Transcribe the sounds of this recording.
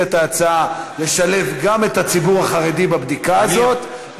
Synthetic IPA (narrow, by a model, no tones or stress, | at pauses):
et̪aːt͡saale̞ʃale̞fɡame̞t̪at͡sibuʁaχaʁedibabd̪ikaːzzo̞t̪